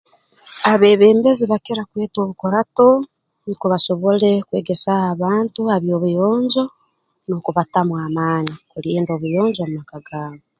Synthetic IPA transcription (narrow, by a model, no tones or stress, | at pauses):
aβeːβeːmbeziβakeɾakweːto̞ːβukoɾato | nikuβaso̞βoɾe̞kwḛːɡesaaβaːntuaβjoːβujoːɲzo | nokuβatamwaːmaːniuliːndo̞ːβujoːɲzomumakaɡaːmo